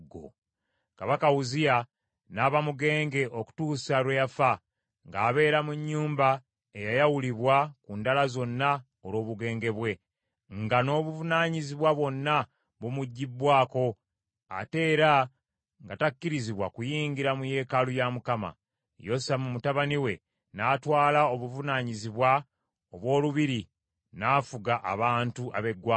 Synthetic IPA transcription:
ɡo̰ | kaβakawuzija | naːβamuɡe̞ːŋɡe̞ʔo̞ku̥tuːsalwejafa | ŋɡaːβe̞ːɾamuɲːuːmba | ejajawuliβwakuːndalazo̞nːa | oɾo̞ːβuɡe̞ːŋɡe̞βwe̞ | ŋɡano̞βuvunaːɲiziβwaβwo̞nːa | βomuɟːibːwaːko̞ | a̰te̞ːɾa | ŋɡatakːiɾiziβwakujiːŋɡiɾamuje̞ːkalujamukama̰ | jo̞samumutaβaniwe̞ | naːtwaːlao̞βuvunaɲiziβwa | oβwo̞ːluβiɾi | nafuɡaʔa̰βaːntuʔaβe̞ɡwa

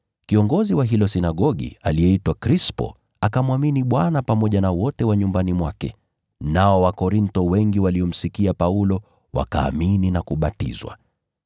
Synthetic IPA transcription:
kiɔŋɡɔziwaɦilɔsinaɠɔɠḭa̰liɛitwakɾispɔ̰ | akamwaminiɓwanapamɔʄanawɔtɛwaɲumbanimwakɛ | naɔwakɔɾintɔwɛŋɡiwaliɔm̩sikiapaulɔ | wa̰ka̰ːmininakuɓatḭzwa̰

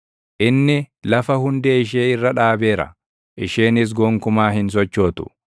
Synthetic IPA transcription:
ʔɪnːɪlɐfɐhʊnd̪eːɪʃ̬eːɪrːɐᶑaːbe̞ːɾɐ̰ | ʔɪʃeːnɪs̬ɡoːŋkʊmaːhɪns̬ɔt͡ʃːo̞ːt̪ʊ̥̰

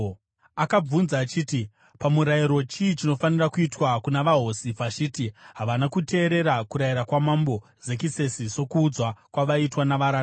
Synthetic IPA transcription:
akab͡vunzaːt͡ʃiːti | pamuɾajiɾo̞t͡ʃiːt͡ʃino̞fanirakuitwakunaʋaɦo̞sivat͡ʃitiɦaʋanakute̞ːɾe̞ɾakuɾajiɾakwamambo̞ | ze̞kise̞siso̞kuːd͡zwakwaʋaitwanaʋaɾaːa

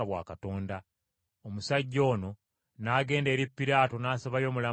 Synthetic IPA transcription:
aβwa̰ːkato̞ːnda | omusaɟːo̞ːno̞ | naːɡe̞ːnde̞ɾipːiɾaːto̞naːsaβajo̞ːmula

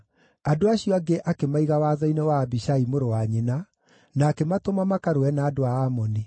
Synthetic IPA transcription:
adoaɕiɔaɡeʔakemaiɣawaðɔinewaːbiʃaimoɾowaɲena | naːkematomamakaɾoɛnaːdoaːmɔne

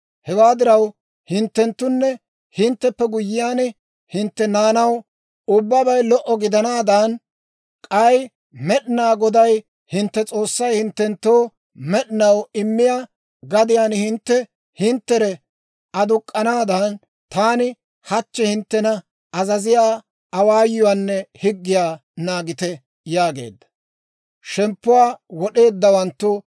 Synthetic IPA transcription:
hɛwaːd̪ɪɾɐw | hɪnt̪ːɛnt̪ːʊnːɛ | hɪnt̪ːɛpːɛɡʊjːɪjaːnɪ | hɪnt̪ːɛnaːnɐw | ʊbːɐbɐjlɔʔɔɡɪd̪ɐnaːd̪ɐn | kʼɐj | mɛɗɪnaːɡɔd̪ɐj | hɪnt̪ːɛt͡sʼo̞ːsːɐjhɪnt̪ːɛnt̪ːoː | mɛɗɪnɐwɪmːɪjaː | ɡɐd̪ɪjaːnhɪnt̪ːɛ | hɪnt̪ːɛɾɛ | ʔɐd̪ʊkʼːɐnaːd̪ɐːn | t̪aːnɪ | hɐt͡ʃːɛhɪnt̪ːɛnɐ | ɐzɐzɪjaː | ɐwaːjːʊwaːnːɛhɪɡːɪjaː | naːɡɪt̪ɛ | jaːɡe̞̰ːd̪ːɐ̥ | ʃɛmpːʊwaːwɔɗe̞ːd̪ːɐwɐnt̪ːʊ

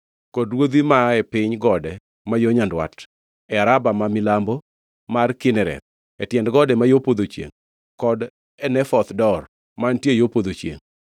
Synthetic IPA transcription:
kɔdwod̪wimaɛpɪɲɡɔdɛ | majoɲandwa̰t | ɛaɾabamamɪlambɔ | markɪnɛɾɛ̰t̪̚ | ɛtjɛndɡɔdɛmajopod̪ot͡ʃjḛŋ | kɔd | ɛnɛfɔt̪dɔr | mantjejopod̪ot͡ʃjḛŋ

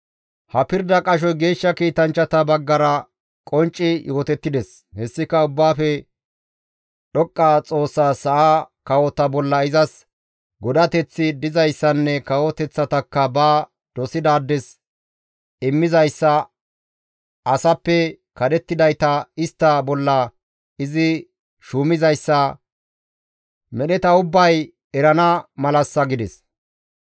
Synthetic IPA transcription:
hɐpɪɾd̪ɐkʼɐʃ̬ɔjɡe̞ːʃːɐkiːt̪ɐnt͡ʃːɐt̪ɐbɐɡːɐɾɐ | kʼɔnt͡ʃʼːɪjʔo̞ːt̪ɛt̪ːɪd̪ɛs | hɛsːɪkɐʊbːaːfɛ | ɗɔkʼːaːt͡sʼo̞ːsːaːsɐʔaːkɐwɔt̪ɐbɔlːɐɪzɐs | ɡɔd̪ɐt̪ɛt͡sːɪd̪ɪzɐjsːɐnːɛkɐwɔt̪ɛt͡sːɐt̪ɐkːɐbaː | d̪̥ɔsɪd̪aːd̪ːɛs | ɪmːɪzɐjsːɐ | ɐsɐpːɛ | kɐd̪ɛt̪ːɪd̪ɐjt̪ɐɪst̪ːɐbɔlːɐ | ɪzɪ | ʃuːmɪzɐjsːɐ | mɛɗɛt̪ɐʊbːɐj | ɛɾɐnɐmɐlɐsːɐɡɪd̪ɛs

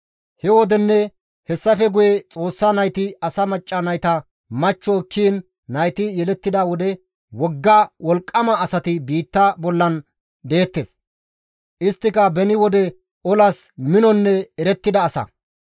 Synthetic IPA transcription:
hɛwɔd̪ɛnːɛ | hɛsːɐfɛɡʊjɛt͡sʼo̞ːsːɐnɐjt̪ɪɐsɐmɐt͡ʃʼːɐnɐjt̪ɐ | mɐt͡ʃːɔkʰːiːnː | ɐjt̪ɪjɛlɛt̪ːɪd̪ɐwɔd̪ɛ | wɔɡːɐwɔlkʼːɐmɐːsɐt̪ɪbiːt̪ːɐbɔlːɐn | d̪e̞ːt̪ːeːs | ʔɪst̪ːɪkɐbɛnɪwɔd̪ɛ | ɔlɐsmɪnɔnːɛɛɾɛt̪ːɪd̪ɐːsɐ̰

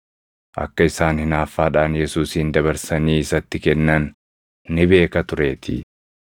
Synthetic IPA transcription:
ʔɐ̰kːɐɪsaːnhɪnaːfːaːᶑaːnjɛsuːsɪːnd̪ɐβɐɾsɐniːɪsɐt̪ːɪkɛnːɐnː | ɪbe̞ːkɐt̪ʊɾe̞ːt̪ʰɪ̰

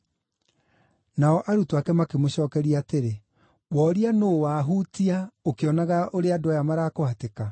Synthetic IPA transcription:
naɔʔaɾutoakɛmakemoɕɔːkɛɾiaːteɾe | wɔɾianowaːɦutiaokeɔnaɣaʔoɾeadwajamaɾakohateka

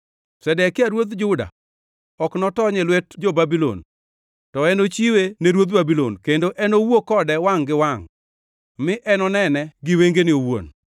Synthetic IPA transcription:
sɛdɛkɪaɾwot̪d͡ʒʊda̰ | ɔknɔtɔɲɛlwɛtd͡ʒobabilo̰n | tɔɛnot͡ʃiweneɾwot̪̚babilo̰nkendoʔɛnowokɔdɛwaŋɡɪwaŋ | mɪʔɛnɔnɛnɛɡɪweŋɡenɪowo̰n

